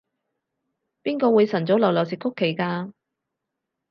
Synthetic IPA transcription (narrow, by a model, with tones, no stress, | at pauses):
piː˥nkɔː˧wuː˨˧jsɐ˨˩nt͡sɔ˨˥wlɐ˨˩wlɔ˨wsɪ˨kʰːʊ˥kʰːe˨˩jkaː˧